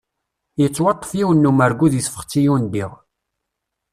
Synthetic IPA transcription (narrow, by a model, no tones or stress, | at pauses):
jət͡sːwɑt̪ˤːə̥fjiwənːumæɾɡuðjəsfə̥χt͡sːijund̪iʁ